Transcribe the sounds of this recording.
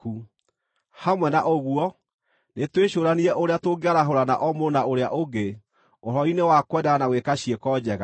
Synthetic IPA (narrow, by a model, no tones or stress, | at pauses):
ku | hamwɛnaʔoɣuɔ | netweɕoːɾaniɾɛʔoɾeatoɡeaɾaɦoɾana̰ʔɔmonaoɾeaʔoɡe | oɾɔinewakwɛdaɣanaɣwekaɕiekɔd͡ʑɛɣa